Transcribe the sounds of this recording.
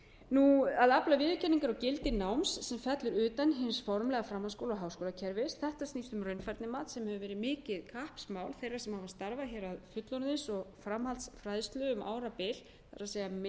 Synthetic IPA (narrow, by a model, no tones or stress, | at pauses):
nuaðaplavɪːðʏcʰɛnːiŋkaɾɔcɪlt̪ɪnawmsːɛmfɛt̪lʏɾʏːt̪anɦɪnsfɔɾmlɛɣafɾamːaskowlaɔɣɦaːwskoːlacʰɛɾvɪsθɛht̪ast̪ist̪ʏmrœɥnfajɾt̪nɪmaːt̪sɛmhɛvʏvɛːɾɪðmɪːcɪðkʰahpsmawlθejrːḁsɛmhavast̪aɾvaçɛɾaðfʏt̪lɔɾnɪnsɔɣfɾamhalt̪sfɾaːjðst̪lʏʏmʔa̰ːwɾapɪl | θaɾaseja